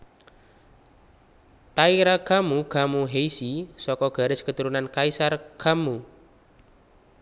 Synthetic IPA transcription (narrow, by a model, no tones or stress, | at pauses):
t̪aiɾakamuɡ̥a̤muɦeisisɔkɔɡ̥a̤ɾɪskət̪uɾunankaisarkʰamu